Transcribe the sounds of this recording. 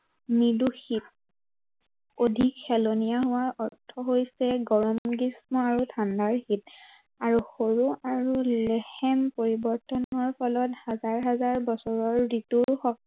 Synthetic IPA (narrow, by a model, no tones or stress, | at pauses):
niduxit̚ | odʱikxɛlonijaɦʊwaʔɔɹtʰːɔɦojsɛɡɔɹɔmɡismɔaɹutʰandaɹxit | aɹuxoɹuaɹulɛhɛmpoɹibɔɹtɔnɔɹpʰɔlɔthazaɹɦazaɹbɔsɔɹɔɹɹituɹxɔk̚